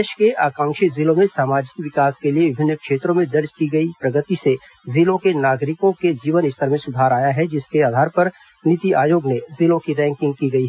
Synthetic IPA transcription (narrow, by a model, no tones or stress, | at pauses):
ʃkeʔa̰ːkãːŋʃɪzɪlõmẽsaːmaːd͡ʒɪkʋɪkaːskelieʋɪbʱɪnːəkʃeːt̪ɾõmẽd̪ɐɾd͡ʒkiɡɐipɾɐɡət̪ise | zɪlõkenaːɡɾɪkõked͡ʒiːʋənɪst̪ʰəɾmẽsʊd̪ʱaːɾaːjaɦɛd͡ʒɪskeaːd̪ʱaːɾpɐɾ | nɪt̪iʔaːjoːɡnezɪlõkiɾɛ̃ːŋkɪ̃ŋɡ̚kiɡɐiɦɛ